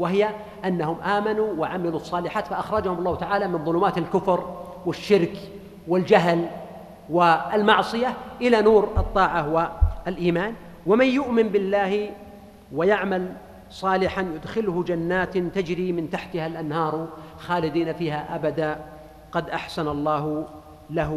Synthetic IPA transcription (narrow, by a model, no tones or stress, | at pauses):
wɪɦɪja | ʔanːahʊmʔaːmanuwaʕamɪlusˤːɑːlɪħaːt̪faʔaxɾˤɑd͡ʒahʊmɑlˤːɑːht̪aʕaːlamɪnðˤʊluːmaːt̪alkʊfɾ | wɪʃːɪɾk | wɪld͡ʒaɦl | wɪɪlmɑʕsˤɨjaʔɪlanuːɾʔɑt̪ˤːɑːʕawaalʔiːmaːn | wamanjʊʔmɪnbɪlːaːh | wajaʕmal | sˤɑːlɪħanjʊd̪xɪlhʊd͡ʒanːaːt̪t̪ad͡ʒɾimɪnt̪aħt̪ɪhalʔanhɑːɾˤxaːlɪd̪iːnafiːhaʔabad̪aː | qɑd̪ʔaħsanɑlˤːɑːh | laɦ